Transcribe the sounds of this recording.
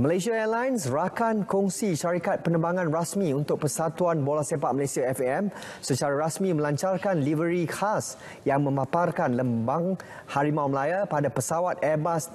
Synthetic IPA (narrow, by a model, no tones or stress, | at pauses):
məlasiaɛlajnsrakankuŋsiʃaɾikat̪̚pənə̃mbaŋãnrasmĩunt̪ʊk̚pəsat̪uanbolasepaʔ̚məlesiaɛfɛm | sət͡ʃaɾaɾasmĩmə̃laɲt͡ʃarkanlivəɾikʰas | jaŋmə̃maparkanləmbaŋ | haɾimawməlajapadapəsawat̪ɛbas